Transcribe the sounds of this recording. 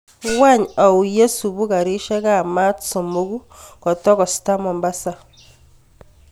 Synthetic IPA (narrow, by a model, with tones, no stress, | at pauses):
wa˦ɲa˨u˨je˦su˨βu˦ka˨ɾi˦ʃɛ˦ka˦˨ma˦tso˨mo˦ɣu˦ | kɔ˨tɔ˦kɔ˨sta˦mɔ˨mba˦sa˨